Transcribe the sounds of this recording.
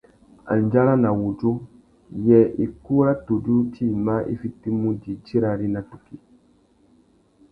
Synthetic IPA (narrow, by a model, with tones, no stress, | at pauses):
a̰˨n˨d͡ʒa˦ɾa˦na˨wu˨d͡ʒu˦ | jɛ˨ʔi˨ku˦ɾa˦tu˨du˦tʰi˦˨ma˦ʔḭ˦fi˦tːi˦mũ˦di˨d͡ʒi˦ɾa˨ɾi˦na˨tu˨ki˦